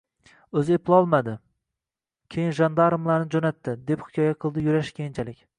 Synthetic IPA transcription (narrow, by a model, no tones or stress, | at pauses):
ɵzɪeplɪɒlˠmad̪ɪ | kʲʰe̞jɪnʒand̪aɾɨmlaɾnɪd͡ʒonat̪ʰːɪd̪e̞phɪ̥kʲʰɒjaqʰɨlˠd̪ɪjʊɾaʃkʲʰejɪnt͡ʃʰalɪkʲ